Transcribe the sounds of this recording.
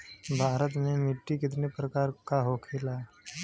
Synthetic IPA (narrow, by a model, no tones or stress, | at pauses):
bʱaɾət̪memiʈːikɪt̪̬nepɾəkaɾkaɦokʰela